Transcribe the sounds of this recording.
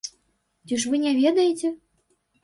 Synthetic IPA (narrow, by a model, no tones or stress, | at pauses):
t̪ʲɨʂvɨnʲɛvʲɛd̪ɐjet͡sʲɛ